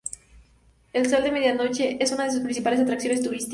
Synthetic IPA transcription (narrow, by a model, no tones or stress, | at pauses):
e̞lso̞ld̪e̞me̞ðjano̞t͡ʃe̞ʔesunaðes̬uspɾinsipale̞s̬at̪ɾaksjone̞s̬t̪uɾist̪